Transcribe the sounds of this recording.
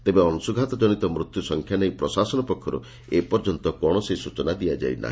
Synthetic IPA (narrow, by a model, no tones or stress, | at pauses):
t̪ebeɔnusuɡʱat̪ɔd͡ʒɔñit̪ɔmɾut̪jusɔŋkʰjanejpɾɔsasɔnɔpɔkʰːɔɾṵ | epɔɾd͡ʒɔnt̪ɔkɔɽ̃ɔsesut͡ʃɔnad̪ijad͡ʒa̰jna̰ɦi